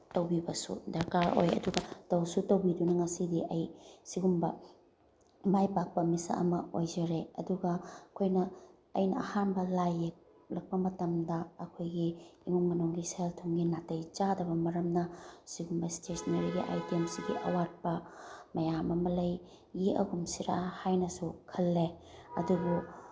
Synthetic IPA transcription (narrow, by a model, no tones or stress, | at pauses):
tɐwbibɐsṵdɐɾkaɾo̰jɐ̰duɡɐtɐwsutɐwbidunɐŋɐsidiʔɐjsiɡumbɐ | majpak̚pɐmisa̰ʔɐ̰mɐojd͡ʒɐɾeɐduɡɐɐkʰojnɐ | ɐ̰jnɐɐhanbɐlajek̚ | lɐk̚pɐmɐtɐmdɐːkʰojɡiiŋuŋmɐnuŋɡiseltʰoŋɡinatɐjt͡ʃadɐbɐmɐɾɐmnɐsiɡumbɐstesneɾiɡiʔa̰jtemsiɡiʔɐ̰wat̚pɐmɐjamɐmɐlɐj | ɡiʔɐ̰ɡumsiɾa̰hajnɐsukʰɐlːeɐ̰duɡu